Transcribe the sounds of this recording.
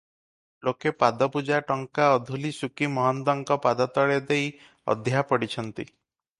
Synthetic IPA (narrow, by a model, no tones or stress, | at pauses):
lokepad̪ɔpud͡ʒaʈɔŋkaɔd̪ʱulisukimɔɦɔnd̪ɔŋkɔpad̪at̪ɔɭed̪ej | ɔ̰d̪ʱjaɦapɔɽit͡ʃʰɔnt̪i